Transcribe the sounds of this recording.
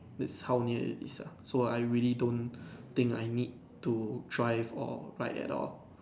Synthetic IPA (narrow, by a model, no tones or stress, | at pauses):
dɛtshawniəḭtḭsasoajɹilidõnt̪ɪ̃ŋka̰jnid̚ | tudɹaɪvɔ̰ɹa̰ɪtɛ̰tɔ̰l